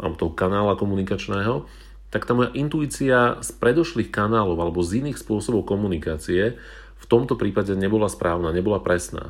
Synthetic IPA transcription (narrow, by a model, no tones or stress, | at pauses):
a̰ɔt̪ɔɦɔkanaːlakɔmunikat͡ʃnɛːɦɔ | t̪akt̪aːmɔjaʔint̪uiːt͡siaspɾɛd̪ɔʃliːxkanaːlɔʊalɛbɔziniːxspʊɔsɔbɔʊkɔmunikaːt͡siɛ | ft̪ɔmt̪ɔpɾiːpaɟɛɲɛbɔlaspɾʔaːʊnaːɲɛbɔlapɾɛsna̰ː